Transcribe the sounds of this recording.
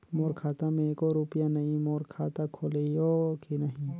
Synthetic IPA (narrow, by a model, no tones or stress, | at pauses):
moːɾkʰaːt̪amẽekoɾuːpijanɐɦĩmoːɾkʰaːt̪akʰoːlejokinɐɦĩ